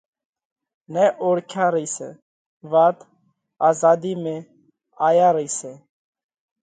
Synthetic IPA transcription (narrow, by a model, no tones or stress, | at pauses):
nɛːʔoːɽkʰjaːɾəiːsɛ̰ː | ʋaːt̪ | aːzaːd̪iːmẽː | aːjaːɾəiːsɛː